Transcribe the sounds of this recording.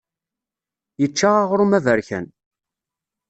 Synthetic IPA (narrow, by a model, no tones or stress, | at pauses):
jət͡ʃːaʁaʁɾumævəɾçæ̰n